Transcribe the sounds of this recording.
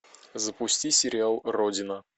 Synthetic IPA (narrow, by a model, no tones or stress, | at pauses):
zəpʊsʲtʲisʲɪɾʲɪalˠrodʲɪnə